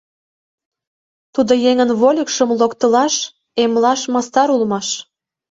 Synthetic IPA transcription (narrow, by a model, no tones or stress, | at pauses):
t̪ud̪ojeŋənβolʲəkʃəmlokt̪ə̆lɑʃ | emlɑʃmɑst̪ɑɾulmɑʃ